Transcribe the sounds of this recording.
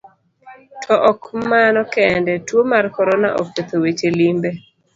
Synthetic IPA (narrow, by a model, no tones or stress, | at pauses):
tʰɔʔɔkmanɔkɛndɛtwomarkɔɾona̰ʔɔ̰k̚pet̪owet͡ʃelimbe